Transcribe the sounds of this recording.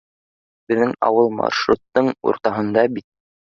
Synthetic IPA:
bɘ̆ðːɘŋɑ̰wɤlˠmɑ̰ʃɾut̪ːɤɴṵɾt̪ɑɦɤ̆nd̪ɑbit̪̚

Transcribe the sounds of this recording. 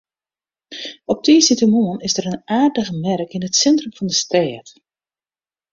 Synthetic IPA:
ɔp̚tiːsitəmoənɪzdəɾənaːrdəɣəmɛrkɪnətsɛntrəmvɔndəstɛːt

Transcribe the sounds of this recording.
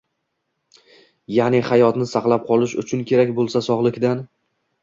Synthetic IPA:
janɪχajɒt̪nɪsaqlˠap̚qʰɒlˠɪʃʊ̰t͡ʃʰʊnkʲʰe̞ɾakʲbolˠsasɒʁlˠɪkʲd̪an

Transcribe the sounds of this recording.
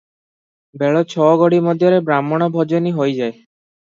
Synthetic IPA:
bɛɭɔt͡ɕʰɔɡoɽimɔd̪ʱjɔɾebɾamːɔɽ̃ɔbʱɔd͡ʑoniɦojd͡ʑae

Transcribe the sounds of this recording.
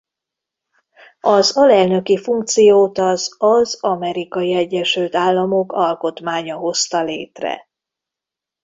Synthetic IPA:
ɒzɒlɛlnø̞kifuŋk̚t̪sijoːt̪ɒzɒzɒmɛɾikɒjiɛɟːɛʃylt̪aːlːɒmokɒlko̞t̪maːɲɒɦo̞st̪ɒleːt̪rɛ̰

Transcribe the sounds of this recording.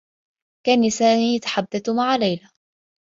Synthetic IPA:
kaːnisaːmiːjat̪ḁħad̪ːad̪maʕalajla

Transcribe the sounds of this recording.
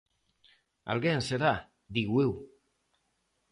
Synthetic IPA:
a̰lɣeːnseɾa | d̪iɣwew

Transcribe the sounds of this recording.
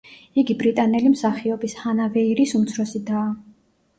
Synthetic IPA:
iɡibɾit̪ʼanɛlimsaχiɔbishanavɛiɾisumt̪sʰɾɔsid̪aː

